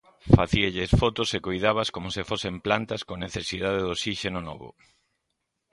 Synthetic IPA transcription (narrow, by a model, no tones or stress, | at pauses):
faθiaʎesfot̪osekojðaβaskomosɪfosemplant̪askoneθesiðaðeðosiʃenonɔ̰βʊ̰